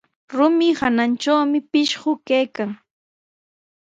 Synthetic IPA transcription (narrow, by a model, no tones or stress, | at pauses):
ɾʊmɪhanant͡ʃawmɪpɪʃɢʊkajkaŋ